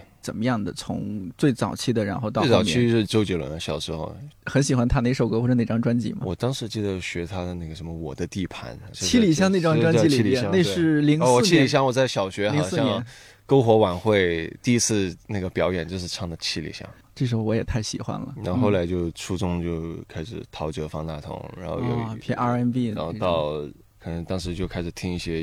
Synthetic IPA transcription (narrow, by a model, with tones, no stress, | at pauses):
t͡sə˨˩mə˦jɑ˥˩ŋd̪ə˩t͡sʰʊ̰˧˥ŋt͡swe˥˩ɪt͡sɑ˨˩ʊt͡ɕʰi˥˩d̪ə˨ɻa˧˥nxo˥˧ʊt̪ɑ˥˧˥t͡sɑ˥˨˩ʊmjʰi˥ʂɻ̩˥˧t͡ɕjo˧˥ʊt͡ɕjo˨˩ʊlə̰˧˥n˧˩ɕjɑ˨˩ʊʂɻ̩˧˥xo˥˧ʊxə˧˥nɕi˨˩xwa˥nt̪ʰa˥ne˥˩ɪʂo˨˩ʊkɤ˥wɔ˥˩ə˩ne˨˩ɪʈ͡ʂɑ˥ŋʈ͡ʂwa˥nt͡ɕḭ˥˩mɐ̰˨˩wɔ˨˩t̪ɑ˥ŋʂɻ̩˧˥t͡ɕi˥˧d̪ə˩jɕɥɛ˧˥t̪ʰa˥d̪ə˨na˥˩ɡə˩ʂə˧˥nmə˧wɔ̰˨˩d̪ə˦t̪i˥˩pʰa̰˧˥no˥˧t͡ɕʰi˥li˨˩ɕ̬jɑ˥˧ŋne˥˩ɪ˩ʈ͡ʂɑ˥ŋ˥˧ʈ͡ʂwa˥nt͡ɕi˥li˨˥˩jɛ˧˥˧n˥˧ɪʂɻ̩˥˩li˧˥ŋswɔ˨˩˥t͡ɕʰi˥˧i˨˩ɕ̬jɑ˥˩ŋwɔ˨˩t͡sa˥˩ɪɕjɑ˨˩ʊɕɥɛ˧˥xli˧ŋ˨˩ʊsɹ̩˥˧jɑ˥˧ŋ˥n | ko˥ʊxwɔ˧˥wa˨˩nxwe˥˩ɪt̪i˥˧i˥t͡sʰɹ̩˥˧na˥˩ɡə˩pjɑ˧˥ʊjɛ˨˩nt͡ɕjo˧ʂɻ̩˥˧ʈ͡ʂʰɑ˥˩ŋd̪ə˩t͡ɕʰi˥˩lḭ˨˩ɕjɑ̰˥˩˦ŋ | ʈ͡ʂɤ˥˩ʂ̬ɻ̩˧˥xo˧ʊwɔ˧˥jɛ˨˩t̪ʰa˥˩ɪɕḭ˨˩xwa̰˥nlə̰˨na˧˥nxo˥˩ʊla˧˥ɪt͡ɕjo˥˩ʊʈ͡ʂʰu˥t͡sʊ˥ŋt͡ɕjo˥˩ʊkʰa˥ɪʂɻ̩̰˨˩t̪ʰɑ˧˥ʊt͡ɕɤ˧˥fɑ˥ŋt̪a̰˥˩t̪ʰʊ̰˧˥ŋɻa̰˧˥nxo˥˧jo̰˨˧ʊpʰjɛ˥a˥˧ɛ˥npi˥˧a˧˥nxo˧ɑ˥˩ʊ˧ | kʰɤ˨˩nɤ˧˥ŋt̪ɑ˥ŋʂɻ̩˧˥t͡ɕjo˥˧ʊkʰa˥ɪʂɻ̩˩t̪ʰi˥ŋi˥˩ɕjɛ˥